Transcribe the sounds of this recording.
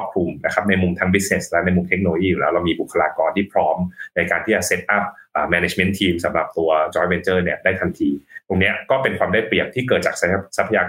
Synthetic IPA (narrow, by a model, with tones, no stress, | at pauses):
p̚kʰɾu˧mna˦˥kʰa˦˥p̚na˧jmu˧mt̪ʰa˦˥ŋbi˦˥t̚ne˨˩slɛ˦˥wna˧jmu˧mt̪ʰe˦˥k̚noː˧o˧jiː˥˩uː˨lɛː˦wɾla˧wmiː˧bu˨˩kʰːa˧laː˧kɔː˧nt̪ʰiː˥˩pʰɾɔː˦˥mna˧jkaː˧nt̪ʰiː˥˩t͡ɕa˨˩se˦˥t̪̚ʔa˦˥p̚ʔaː˨˩mɛː˧ne˧˩t͡ɕme˦˥nt̪ʰiː˧msa˩˦mɾa̰˨˩p̚t̪u˧ɐt͡ɕɔː˦˥jwe˧nt͡ɕɤː˥˩ni˥˩ɐdaː˥˩jt̪ʰa˧nt̪ʰiː˧t̪o˧ŋni˦˥ɐkɔː˥˩pe˧nkwaː˧mdaː˥˩jpli˨˩əp̚t̪ʰiː˥˩kɤː˨˩t̪̚t͡ɕaː˨˩k̚sa˦˥pʰːa˧jaː˧